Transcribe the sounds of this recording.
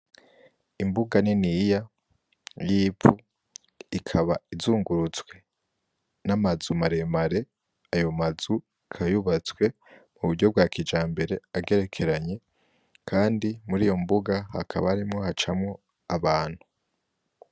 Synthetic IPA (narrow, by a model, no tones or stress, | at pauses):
imbuɡaninija | jifu | ikʰaβaizuːŋɡuɾut͡sɡwe̞ | namazumaɾe̞maɾe̞ | ajo̞mazu | kʰajuβat͡swe̞ | muβuɟo̞b̚ɡwaːkid͡ʒaːmbe̞ɾe̞aɡe̞ɾe̞kʰe̞ɾaɲe̞ | kʰaːndimuɾijo̞mbuɡaha̰kʰaβaaɾimŋo̞hat͡ʃamŋo̞ | aβaːn̥hu